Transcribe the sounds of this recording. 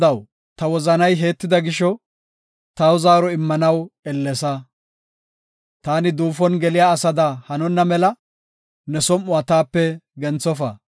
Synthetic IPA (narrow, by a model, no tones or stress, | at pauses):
ɐw | t̪ɐwɔzɐnɐjɦe̞ːt̪ːɪd̪ɐɡɪʃɔ | t̪ɐwʊzaːɾɔɪmːɐnɐwɛlːɛsɐ | t̪aːnɪd̪uːfɔnɡɛlɪjaːsɐd̪ɐhɐnɔnːɐmɛlɐ | nɛsɔmːʊat̪aːpːɛɡɛnt͡sːɔfɐ̰